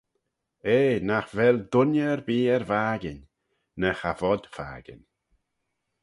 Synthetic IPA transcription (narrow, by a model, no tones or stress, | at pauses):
eːnaxvɛld̪ʊnəɾbiːɛɾvaːɡɪn | nəxavɔd̪̥fa̰ːɡ̥ɪ̰n